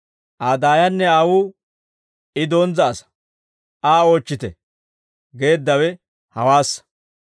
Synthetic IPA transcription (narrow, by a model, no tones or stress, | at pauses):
ʔaːd̪aːjɐnːɛaːwuː | ɪd̪oːnzɐːsɐ̥ | ʔaːoːt͡ʃːɪt̪ɛ | ɡe̞ːd̪ːɐwɛ | hɐwaːsːɐ̥